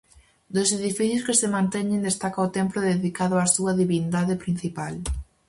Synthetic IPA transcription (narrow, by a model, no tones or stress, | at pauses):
d̪oseðifiθjoskesemãnt̪ɛɲẽnd̪est̪akaot̪emplʊðeðikaðʊasuɐðiβind̪aðepɾin̟θipal